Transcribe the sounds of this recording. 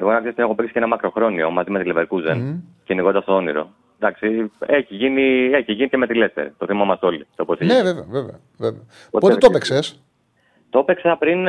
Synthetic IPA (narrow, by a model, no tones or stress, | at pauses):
e̞ɣonɐksist̪neo̞piksi̥eenɐmɐkɾo̞xɾo̞nio̞̰mɐzimet̪ileveɾkuzenceiniɣd̪ɐst̪oo̞niɾo̰ | d̪ɐksieçiʝinie̞çiʝinit̪ceme̞t̪ileft̪e̞̰ɾit̪oθimɐmɐst̪o̞lit̪oposieveveoveveo | veveo | oot̪et̪opekses | t̪ope̞ksɐpɾin